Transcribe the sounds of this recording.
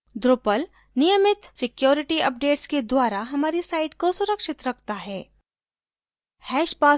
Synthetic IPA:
d̪ɾoːpəl | nɪjəmɪt̪sɪkjoːɾɪʈiɐp̚ɖeːʈsked̪waːɾaɦɐmaːɾisaːɪɖkosʊɾəkʃɪt̪ɾɐkʰt̪aɦɛː | hɛːʃpaː

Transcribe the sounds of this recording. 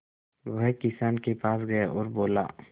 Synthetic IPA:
ʋɐɦkɪsaːnkepaːsɡɐeʔɔːɾboːla̰ː

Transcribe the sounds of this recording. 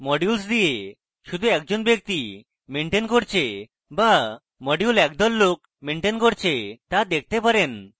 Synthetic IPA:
mɔɽjulsd̪ije | ɕud̪ʱũɛk̚d͡ʑonbjək̚t̪i | meɳʈenkɔɽt͡ɕe | ba | mɔɖjulɛk̚d̪ɔlːok̚ | meɳʈenkɔɽt͡ɕet̪ad̪ek̚ʰt̪epəɾen

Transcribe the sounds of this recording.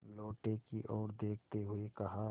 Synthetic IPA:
loːʈekiʔɔːɾd̪eːkʰt̪eɦʊekɐɦa

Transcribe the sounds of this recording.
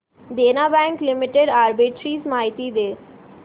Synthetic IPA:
d̪eːnabɛ̃ːŋklɪmɪʈeɖaːɾbɪʈɾiːsmaːɦɪt̪id̪eː

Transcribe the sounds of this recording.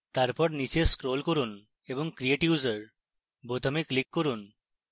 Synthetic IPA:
t̪aɾpɔɾnit͡ɕeskɾolkoɾun | eboŋkɾieʈiuzəɾ | bot̪ʰameklikːoɾun

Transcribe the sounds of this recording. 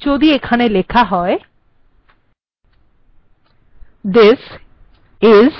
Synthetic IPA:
d͡ʑod̪iekʰanelekʰaɦɔe | d̪es | ɪz

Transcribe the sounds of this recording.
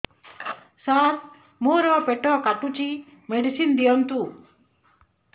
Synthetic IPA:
saɾ | moɾɔpeʈɔkaʈut͡ʃi | meɖisind̪ijɔnt̪u

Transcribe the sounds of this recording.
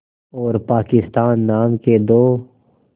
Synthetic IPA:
ɔːɾpaːkɪst̪aːnːaːmked̪oː

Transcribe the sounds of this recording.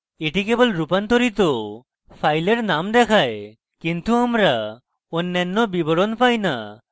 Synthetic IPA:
eʈikebɔlɾupant̪ɔɾit̪̬ɔ | pʰajleɾnamd̪ɛkʰaj | kint̪uamɾa | onːɛnːɔbibɔɽɔnpajna̰

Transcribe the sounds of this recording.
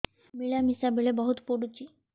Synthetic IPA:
miɭjamisabiɭebəɦut̪puɽut͡ɕiː

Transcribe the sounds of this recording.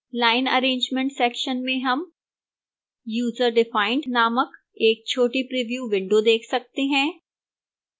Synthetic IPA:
laːɪnɐ̰ɾẽːɲd͡ʒmẽɳʈsɛːkʃənmẽɦɐm | juːzəɾɖɪfaːɪ̃ɳɖnaːmək | eːk̚t͡ʃʰoːʈipɾiʋjuːʋɪ̃ɳɖod̪eːkʰsɐk̚t̪eɦɛ̃ː

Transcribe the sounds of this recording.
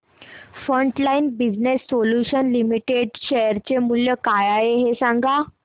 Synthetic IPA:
fɾəɳʈlainbid͡ʑnesːoljuɕənlimiʈeɖɕejəɾt͡ɕemuljəkajajeɦesãŋɡa

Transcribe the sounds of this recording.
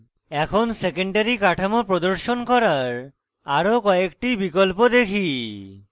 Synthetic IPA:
ɛkʰonsekeɳɖaɾikaʈʰamopɾod̪oɾʃonkɔɾaɾ | aɾokɔekʈibikolpod̪ekʰi

